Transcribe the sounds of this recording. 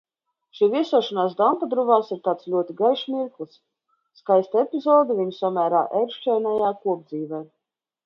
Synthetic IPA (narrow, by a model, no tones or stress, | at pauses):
ʃiːvʲiɛsuɔʃanaːsd̪amp̪ad̪ɾuvaːsiɾt̪aːt̪slʲuɔt̪iɡajʃmiɾklˠsː | kajst̪ɛpʲizɔːd̪uviɲusamʲæːɾa̰ːʔɛɾʃt͡ʃɛːnajaːkuɔb̚d̪ziːvɛː